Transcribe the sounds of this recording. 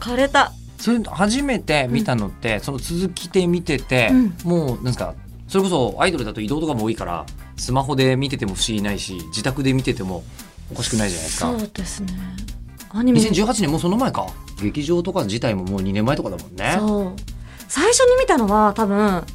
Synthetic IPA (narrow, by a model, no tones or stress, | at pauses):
kaɾet̪a | so̞ɾehaʑime̞t̪e̞mʲit̪ano̞t̪ːe̞so̞no̞t͡sɨzɨkʲi̥t̪e̞mʲit̪e̞t̪e̞moːnãnsɨka̰ | so̞ɾe̞ko̞s̬o̞a̰id̪o̞ɾɯ̟d̪at̪o̞id̪o̞ːt̪o̞kamoːikaɾa̰ | sɨmaɦo̞d̪e̞mʲit̪e̞t̪e̞mo̞ɸɯ̟ɕiɡinaiɕid͡ʑit̪akɯ̟d̪e̞mʲit̪e̞t̪e̞mo̞ | okaɕi̥kɯ̟naiʑana̰iesɨ̥ka̰d̪̥esɨne | aɲiɲiiseɲd͡ʑɨːɦat͡ɕinemːoːso̞no̞maekaɡe̞kʲiʑo̞ːt̪o̞kad͡ʑit̪aimo̞moːɲ̟inemːaet̪okad̪amõ̞̰nːeo | saiɕo̞ɲ̟imʲit̪ano̞βat̪abɯ̟̃